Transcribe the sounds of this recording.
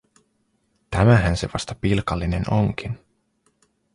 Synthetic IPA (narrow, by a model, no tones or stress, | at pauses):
t̪æmæɦænse̞̰ʋɑst̪ɑpilkɑlːine̞noŋkin